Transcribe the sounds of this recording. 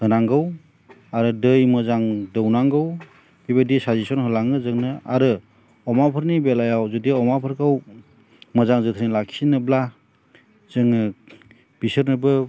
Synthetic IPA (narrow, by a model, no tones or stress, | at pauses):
hɯnaŋɡɯw | aɾɯdɯjmɯzaŋdəwnaŋɡɯw | bibadisazisɔnhɯlaŋɯzɯŋnɯa̰ɾɯ | ɔmapʰɯɾnibelajawzudiɔmapʰɯɾkʰaw | məzaŋzɯt̪ʰəɾnilaksinɯbla | z̥ɯŋɯ | b̥isɯɾnɯbɯ